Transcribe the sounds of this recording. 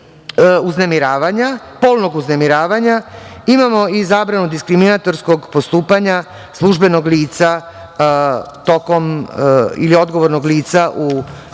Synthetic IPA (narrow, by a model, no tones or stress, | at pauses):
uznemiɾaːʋaɲa | po̞ːlˠno̞ɡuznemiɾaːʋaɲaimamo̞izaːbɾanud̪iskɾiminat̪o̞ɾsko̞ɡpo̞st̪uːpaɲa | slˠuʒbe̞no̞ɡliːt̪sa | t̪o̞ko̞m | ḭlio̞d̪ɡoʋo̞ɾno̞ɡliːt̪saʔu